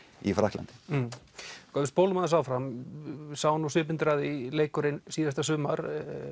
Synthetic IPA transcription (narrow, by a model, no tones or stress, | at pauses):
ifɾahkla̰nt̪ɪ̥ | kʰamɪst̪pʰoːwlmaðas̬aːwfɾam | saːwnusʏːp̬ɪnt̪ɾaːðɪleːjkʏɾɪnsiːðast̪asʏːmaɾ